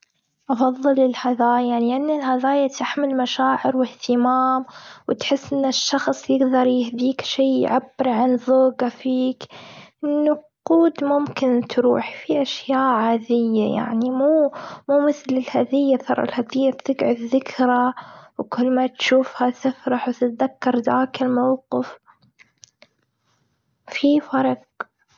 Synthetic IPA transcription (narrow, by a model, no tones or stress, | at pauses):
ʔɑfɑðˤːɨlɪlhaðaːjjanlʔanːɪlhaðaːjat̪aħmɪlmaʃaːʕɪɾwɪht̪ɪmaːmwɪt̪ħɪsːʔɪnːɪʃːɑxsˤjɪɡd̪ɑɾˤjɪhd̪iːkʃiːʕabːɪɾʕanðoːɡafiːkʔɪnːʊquːd̪mʊmkɪnt̪ɾṵːħfiʔaʃjaːʔʕaːðɪjːa̰ja̰ʕnimuːmuːmɪθlɪlhaðɪjːat̪ɑɾˤʔɪ̰lhaðɪjːat̪ðɪɡʕʊðɪkʰɾawkʊlːmat̪ʃuːfhat̪ɪfɾˤɑħwt̪ɪt̪ðakːɑɾˤd̪aːkɪlmawqɪf | fifɑɾˤɑq̚